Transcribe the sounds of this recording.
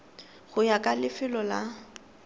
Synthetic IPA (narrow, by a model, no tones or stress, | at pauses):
ɣʊjakʼalɪfɪlɔla